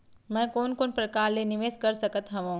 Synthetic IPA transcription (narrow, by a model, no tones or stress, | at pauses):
mɛ̃ːkoːnkoːnpɾɐkaːɾlenɪʋeːskɐɾsɐkət̪ɦɐʋõ